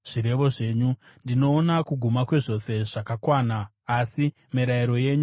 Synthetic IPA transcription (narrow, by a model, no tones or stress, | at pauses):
ʐ̥iɾe̞ʋo̞ʐe̞ːɲu | ndino̞ːnakuɡʱumakwe̞ʐo̞se̞ʐakakwaːnaː | si | miɾajiɾo̞je̞ːɲu